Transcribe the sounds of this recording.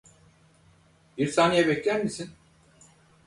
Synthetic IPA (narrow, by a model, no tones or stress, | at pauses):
b̥iɾsaːnijɛbɛclʲænmisin